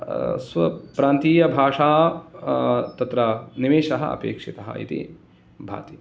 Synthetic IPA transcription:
sʋɐ̰pɾaːnt̪iːjɐbʱaːʂaː | t̪ɐt̪ɾɐniʋeːʃɐɦɐ̰ɐ̰pḛːkʂit̪ɐɦɐ̰ʔḭt̪ḭ | bʱa̰ːt̪i

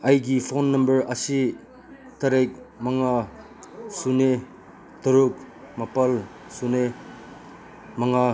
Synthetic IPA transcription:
ɐjɡipʰonːɐmbɐɾɐsi | tɐɾek̚ | mɐŋa | sune | tɐɾuk̚ | mɐpɐl | sune | mɐŋa

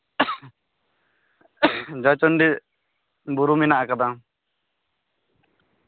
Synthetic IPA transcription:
d͡ʒat͡ʃɔnɖi | buɾuminaʔakad̪aŋ

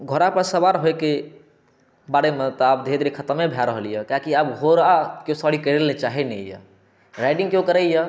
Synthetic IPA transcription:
ɡʱoɾapəɾsəbaɾɦoeke | baɽemet̪ɔab̚d̪ʱed̪ɾikʰət̪əmebʱjaɾəɦəlijəkakiabɡʱoɾakjosɔɽikəɾelnet͡ʃaɦenɛ̰jə̰ | ɾaɪɖĩŋɡkjokəɾɛjə

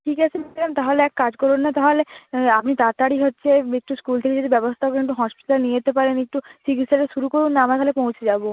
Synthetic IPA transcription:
ʈʰikat͡ɕʰenikʰlamt̪aɦoleɛkkad͡ʑkɔɾunːat̪aɦoleapnit̪aɾt̪aɽiɦotːɕʰeek̚ʈuskult̪ʰeked͡ʑet̪ebɛbost̪ʰakoɾek̚ʈuɦɔspiʈalalenied͡ʑet̪epaɾenek̚ʈusikisʈaɾeʃuɾukoɾunːaamaɾkʰalepõwt͡ɕʰed͡ʑabo

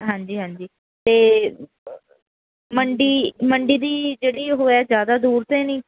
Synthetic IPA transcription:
ɦãːɲd͡ʒiːɦãːɲd͡ʒiː | t̪eː | məɳɖiːməɳɖiːd̪iːd͡ʒeːɽiːɦoːɛːzjaːd̪aːd̪uːɾt̪ẽːnĩː

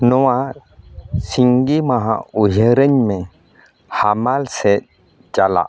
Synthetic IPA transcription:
nɔwa | siŋɡimaɦã̰uɦəɾəɲmẽ | hamalse | t͡ʃala̰

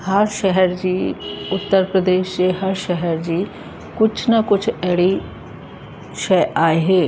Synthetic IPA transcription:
həɾʃɛɦɛɾd͡ʒiːʊt̪ːəɾpɾəd̪eːʃd͡ʒeːɦəɾʃɛɦɛɾd͡ʒiː | kʊt͡ʃʰnakʊt͡ʃʰɛɽi | ʃɛʔaːeɦeː

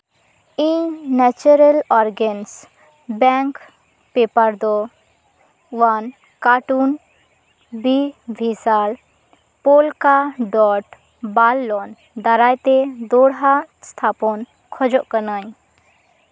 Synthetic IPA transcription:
ĩnɛt͡ʃuɾəlɔːɾɡəns | bɛŋk | peːpəɾd̪ɔ | ʋan | kaːʈun | bibʱisaːl | poːlkaɖɔːʈ | baːlːɔːn | d̪ɐɾaːjt̪ed̪oːɽɦast̪ʰaːpɔn | kʰɔd͡ʒɔʔkənaːj

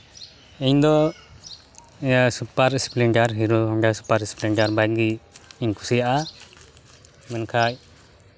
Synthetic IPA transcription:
ɛɲd̪ɔ | supaɾɛspliɳʈaɾɦiɾuɦɔmɖasu̥paɾɛspliɳʈaɾbajɡiiɲkʰu̥sijaʔa | mɛnkʰaj̚

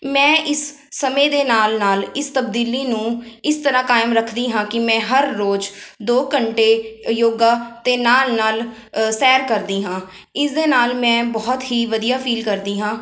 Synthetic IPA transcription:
mɛ̃ːʔɪsː | əmẽːd̪eːnaːlnaːlɪst̪əbd̪iːliːnũːɪst̪əɾãːkaːɪmɾəkʰd̪iːɦãːkɪmɛ̃ːɦəɾːoːd͡ʒd̪oːkəɳʈeːjoːɡaːt̪eːnaːlnaːl | sɛːɾkəɾd̪iːɦãː | ɪsd̪eːnaːlmɛ̃ːbɔːt̪ɦiːʋəd̪ijaːpʰiːlkəɾd̪iːɦãː

